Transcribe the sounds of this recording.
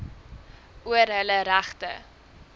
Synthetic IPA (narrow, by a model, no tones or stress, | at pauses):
uəɾɦələɾæχtə̰